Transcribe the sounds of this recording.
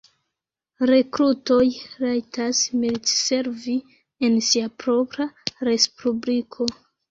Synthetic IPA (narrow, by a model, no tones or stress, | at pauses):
ɾe̞kɾuto̞jɾajtʰasmiltse̞ɾvi | e̞nsiapɾo̞pɾaɾe̞spublikʰo̞